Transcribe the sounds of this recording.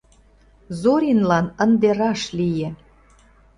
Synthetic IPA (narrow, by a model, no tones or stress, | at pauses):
zoɾʲinlɑnə̆nd̪eɾɑʃlʲijĕ